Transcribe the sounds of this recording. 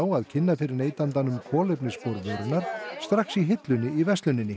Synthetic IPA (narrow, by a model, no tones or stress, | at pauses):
waðcʰɪnːafɪɾɪɾneːjt̪ant̪anʏmkʰɔːlejpnɪspowɾvœːɾʏnaɾ̥st̪ɾaxsiɦɪt̪lʏnːɪivɛst̪lʏnːɪnːɪ